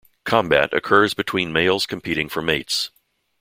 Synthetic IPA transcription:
kʰɑ̃mbæ̰ɾɨ̰kʰɜ˞zbɨtʰw̥ĩnmeɪlˠz̥kʰɨ̃m̩pʰiɾɪ̃ŋfə˞meɪts

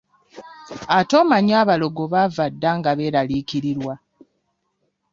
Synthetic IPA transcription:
ato̞ːmaɲaːβalo̞ɡoβavadːaːŋɡaβe̞ːɾaliːciɾiɾwa

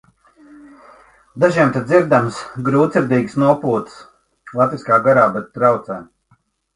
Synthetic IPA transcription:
d̪aʒiɛmt̪eziɾd̪amsɡɾuːt̪sʲiɾd̪iːɡsnuɔpuːt̪s | lˠat̪viskaːɡaɾaːbɛt̪t̪ːɾawt̪sɛːm

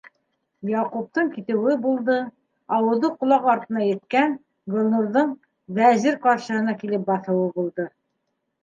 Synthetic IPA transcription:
jɑqup̚t̪ɤɴkit̪ɘ̆wɘbulˠd̪ɤ | ɑwɤ̆ðɤqŏlˠɑqɑɾt̪ɤ̆nɑjɘ̆t̪kæn | ɡŏlˠnuɾðɤɴ | bæzɘɾqɑɾʃɤ̆ɦɤ̆nɑkilɘp̚bɑθɤ̆wɤbulˠd̪ɤ

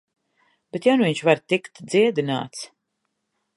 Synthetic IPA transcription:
b̥et̪jawnuviɲʃvaɾt̪ikt̪d̪ziɛd̪ina̰ːt̪s

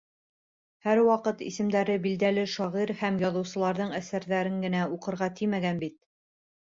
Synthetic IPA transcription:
hæɾwɑqɤt̪ḭsɘ̆md̪æɾɘbild̪ælɘʃɑʁiɾhæmjɑðɤ̆wsɤ̆lˠɑɾðɤɴæsæɾðæɾɘŋɡɘ̆næuqɤ̆ɾʁɑt̪ʰimæɡænbit̪̚

